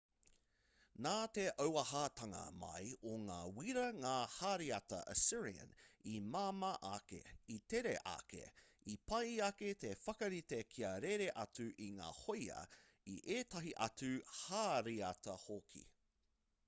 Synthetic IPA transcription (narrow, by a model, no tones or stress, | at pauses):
naːt̪eʔəwɐɦat̪ɐŋɐ̰mɐ̰joŋaːwiɾɐŋaːhaːɾiɐtɐ̰ʔə̰sɪɹiə̰nimaːmɐʔakḛit̪eɾḛʔa̰kʰḛ | ipʰɐjɐket̪efɐkɐɾit̪ekʰiɐɾeɾeʔɐt͡sʉʔiŋa̰ːhojɐ̰ | iʔeːtɐɦiʔɐ̰tʉhaːɾiɐt̪ɐhokʰḭ